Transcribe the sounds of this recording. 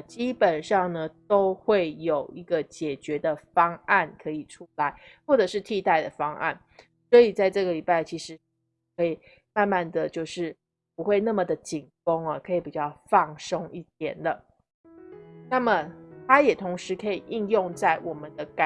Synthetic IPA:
t͡ɕi˥pə˨˩nʂɑ˥˩ŋnə˩t̪o˥ʊxwe˥˩ɪjo˨˩ʊi˧˥ɡə˧t͡ɕjɛ˨˩t͡ɕɥɛ˧˦d̪ə˧fɑ˥ŋa˥˩nkʰɤ˧˥i˨˩ʈ͡ʂʰu˦˥la˧˦ɪxwɔ˥˩ʈ͡ʂɤ˨˩ʂɻ̩˥˧t̪ʰi˥˧t̪a˥˩ɪd̪ə˩fɑ˥ŋʔa̰˥˩n | swɔ˧˥i˨˩t͡sa˥˧ɪʈ͡ʂɤ˥˩ɡə˩li˨˩pa˥˩ɪt͡ɕʰi˧˥ʂɻ̩˧˦ | kʰɤ˧˥i˨˩ | ma˥˧nma˥˧nd̪ə˩t͡ɕjo˥˧ʊʂɻ̩˥˩ | pu˧˦xwe˥˧ɪna˥˩mə˩d̪ə˩t͡ɕi˨˩ŋfo˥ŋɐ˨kʰɤ˧˦˥i˨˩pi˨˩t͡ɕjɑ˥˧ʊfɑ˥˨˩ŋʂɤ˥ŋi˥˩t̪jɛ˨˩nd̪ə˩ | na˥˩mə˩t̪ʰa˥jɛ˨˩t̪ʰʊ˧˥ŋʂɻ̩˧˥kʰɤ˧˥i˨˩ʔi˥˧njʊ˥˧ŋt͡sa˥˩ɪwʔɔ˨˩mə˦nd̪ə˧ka˨

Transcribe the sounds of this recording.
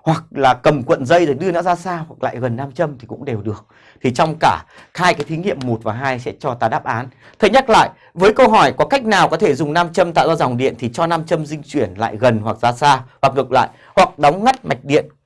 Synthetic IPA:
hwa˨˩k̚laː˨˩kə˨˩mkwə̰˧˨nzə˧jzəː˨˩ɗɨ˧ənɔ̰˧˥zaː˧saː˧hwa˨˩k̚la̰ː˧˨jɣə˨˩nːaː˧mt͡ɕə˧mt̪ʰi˨˩kʊ̰˧˥ŋ͡mɗe˨˩wɗɨ˨˩ək̚ | t̪ʰi˨˩t͡ɕɔ˧wŋ͡mkaː˧˩ | haː˧jkaː˨˦jt̪ʰi˨˦ŋḭ˧˨əmːo˨˩t̚vaː˨˩ɦaː˧jsɛ̰˧˥t͡ɕɔ˧t̪aː˧˩ɗaː˦˥p̚ʔaː˨˦n | t̪ʰə˧˩jɲa˦˥k̚la̰ː˧˨j | vəː˨˦jkə˧wɦɔ˧˩jkɔ˨˦ka˦˥jk̟̚naː˨˩wkɔ˨˦t̪ʰe˧˩zʊ˨˩ŋ͡mnaː˧mt͡ɕə˧mt̪a̰ː˧˨zɔː˧za˨˩wŋ͡mɗḭ˧˨ənt̪ʰi˨˩t͡ɕɔ˧naː˧mt͡ɕə˧mzï˧ŋ̟t͡ɕwi˧˩ənla̰ː˧˨jɣə˨˩nhwa˨˩k̚zaː˧saː˧hwa˨˩k̚ŋɨ˨˩k̚la̰ː˧˨j | hwa˨˩k̚ɗa˨˦wŋ͡mŋa˦˥t̚ma˨˩jk̟̚ɗḭ˧˨ən

